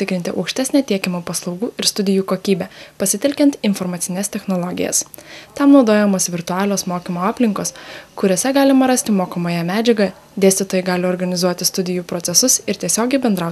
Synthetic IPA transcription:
t̪ʲɪkɾʲɪnt̪ʲɪʔɐ̰ʊkʃʲt̪ʲæsʲnʲæt̪ʲiɛkʲɪmoːpɐslˠɒʊɡuːɪɾst̪ʊd̪ʲɪjuːkoːkʲiːbʲɛpɐsʲɪt̪ʲɛlʲkʲɛnt̪ɪnfɔɾmɐt̪sʲɪnʲɛst̪ʲɛxnolˠɔɡʲɪ̰jɛ̰st̪ɑmnɒʊd̪oːjɛmoːsʋʲɪɾt̪ʊɑːlʲoːsmoːkʲimoːɑːpʲlʲɪŋkoːskʊɾʲoːsʲɛɡɑːlʲɪmɐɾɐsʲt̪ʲɪmoːkɐmoːjɛmʲæːd͡ʒʲɛɡɐ | d̪ʲeːsʲt̪ʲɪt̪oːjɛɡɑːlʲɪɔːɾɡɐnʲɪzuɔt̪ʲɪst̪ʊd̪ʲɪjuːpɾɔt̪sʲɛsʊsɪɾt̪ʲiɛsʲoːɡʲɛɪbʲɛnd̪ɾɑʊ

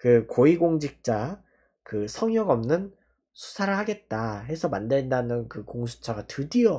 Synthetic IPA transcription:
kɯkoiɡoŋd͡ʑik̚t͡ɕ͈a | kɯsʰʌŋjʌɡʌmnɯn | sʰu̥sʰaɾɯɭhaɡe̞t̚t͈aɦe̞sʰʌmandendanɯnkɯkoŋsʰu̥t͡ɕʰaɡatɯdio

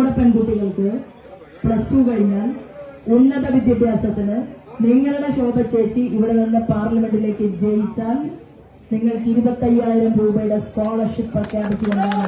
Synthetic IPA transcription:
uɽɐpːɐnbut̪ːiɣɐɭkɨ | prɐstukɐɻiɲːaːnunːɐðɐʋid̪jɐbʱjaːsɐt̪ːinɨniŋːɐɭuɽeɕo̞ːb̪ɐt͡ɕːeːt͡ɕːiʔiʋiɽe̞t̪ɐnːepaːrlɐme̞ɳɖile̞ːkːɨid͡ʑɐjit͡ɕːaːl | niŋːɐɭkiɾubɐt̪ːɐjːaːjiɾɐmpoːɣubɐjɽɐskoːɭɐrʂipːprɐkjaːbɐtːiɐɽa

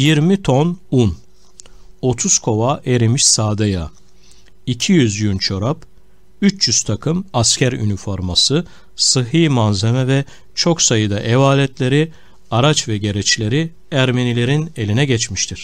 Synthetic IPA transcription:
jiɾmit̪ʰo̞nun | o̞t̪ʰuskʰo̞vaʔeɾimiʃsaːd̪aja | icʰijyzjynt͡ʃʰo̞ɾap | yt͡ʃjyz̥t̪ʰakʰɯmascʰæɾy̰nifo̞ɾmasɯ | sɯɦɯːmanzemɛvɛ | t͡ʃʰo̞ksajɯd̪aʔɛvaːlʲɛt̪lʲe̞ɾi | aɾat͡ʃvɛɟe̞ɾɛt͡ʃlʲe̞ɾi | æɾmenilʲe̞ɾine̞lʲinɛɟɛt͡ʃmiʃt̪ʰiɾ̥

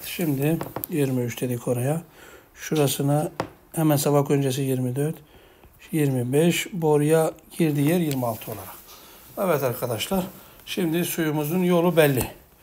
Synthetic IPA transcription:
ʃimd̪ijiɾmiyt͡ʃd̪ʰed̪ikʰo̞ɾajaʃuɾasɯna | hɛmænsabakø̞nd͡ʒes̬ijiɾmid̪øɾt̪ | jiɾmibɛʃbo̞ɾujaɟiɾd̪ijæɾjiɾmialˠt̪ʰɯo̞lˠaɾakavɛt̪aɾkʰad̪aʃlˠaɾ | ʃimd̪isujumuzunjo̞lˠubɛlʲːi

